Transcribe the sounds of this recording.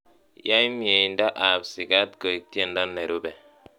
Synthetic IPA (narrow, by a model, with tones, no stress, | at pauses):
ja˦i˦mje˨i˨n̩˦da˦ʔa˨psi˨ɡa˦t̚ko˨i˨tje˦˨n̩˦da˦nːe˨ɾu˦bɛ˨